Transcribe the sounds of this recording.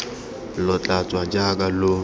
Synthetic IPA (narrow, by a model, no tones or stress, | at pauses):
lɔt͡ɬʼat͡sʼwad͡ʒakʼalʊ